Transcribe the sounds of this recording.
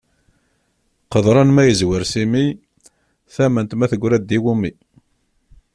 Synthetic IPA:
qəðˤɾˤɑnmæjəzwəɾsimi | θæmənt̪mæθəɡʷɾæd̪ːiwumi

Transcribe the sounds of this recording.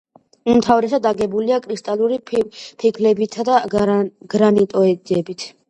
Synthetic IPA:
mt̪ʰavɾɛsad̪aɡɛbuliakʼɾist̪ʼaluɾipʰikʰlɛbit̪ʰad̪aɡ̥ɾanit̪ʼɔɛɛbit̪ʰ

